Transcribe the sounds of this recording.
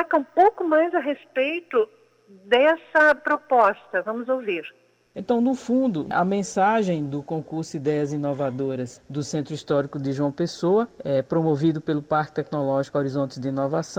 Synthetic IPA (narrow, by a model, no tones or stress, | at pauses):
t̪akɐũpowkʊmajzɐɦespejt̪ʊ | d̪ɛsɐpɾopɔst̪ɐvɐ̃mʊzowviɾ | ẽnt̪ɐ̃w̃nʊfũd̪ʊʔɐ̰mẽsaʒẽj̃d̪ʊkõkuɾsʊid̪ɛjɐzĩnovad̪oɾɐsd̪ʊsẽnt̪ɾʊist̪ɔɾikʊd̪ɪʒuɐ̃w̃pesowɐɛpɾomovid̪ʊpelʊpaɾkɪ̥t̪ɛknolɔʒikoɾizõnt̪ɪd̪ɪĩnovasɐ̃w̃